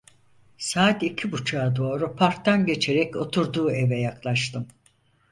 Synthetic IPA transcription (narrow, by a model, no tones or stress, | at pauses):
saːt̪icʰibut͡ʃʰaːd̪o̞ːɾupʰaɾk̚t̪anɟe̞t͡ʃʰe̞ɾɛco̞t̪ʰuɾd̪uːe̞vɛjaklˠaʃt̪ʰɯm